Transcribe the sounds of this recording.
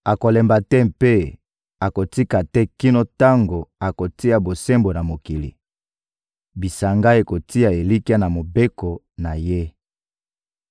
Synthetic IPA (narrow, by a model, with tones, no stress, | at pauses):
a˨ko˨lɛ˨mba˨tɛ˦pe˦ | a˨ko˨ti˦ka˨tɛ˦ki˦no˦ta˦ŋɡo˨a˨ko˨ti˦a˨bo˨se˦mbo˨na˨mo˨ki˨lḭ˨ | bi˨sa˨ŋɡa˦e˨ko˨ti˦a˨e˨li˦ki˦a˦na˨mo˨be˦ko˨ | na˨je˦